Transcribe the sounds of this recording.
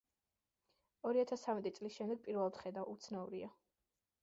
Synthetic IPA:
ɔɾiat̪ʰast̪ʰːamɛt̪ʼit̪sʼlisʃɛmd̪ɛɡ̚pʼiɾvɛlˠad̪̥χɛd̪aʔut̪sʰnauɾia

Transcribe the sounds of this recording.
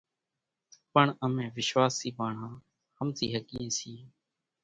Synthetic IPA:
pəɳəmẽːʋɪʃʋaːsiːbaːɳãː | həmt̪ḭːɦəkiːẽːsiː

